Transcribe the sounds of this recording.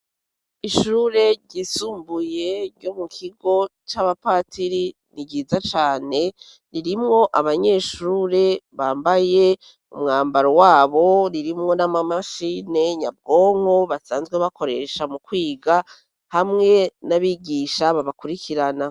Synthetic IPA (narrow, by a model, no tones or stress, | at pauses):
iʃuːɾe̞ɟisuːmbuje̞ɾɟo̞mukʰiɡo̞t͡ʃaβapaːtiɾi | niɟiːzat͡ʃaːne̞ | ɾiɾimŋo̞ʔaβaɲe̞ːʃuːɾe̞βaːmbaje̞ | ṵmŋaːmbaɾowaːβo̞ɾiɾimŋo̞namamaʃine̞ɲab̚ɡo̞ːŋ̥ho̞βasaːnzɡweβakʰo̞ɾe̞ʃamukwiːɡa | hamŋe̞naβiɡiʃaβaβakuɾikʰiɾana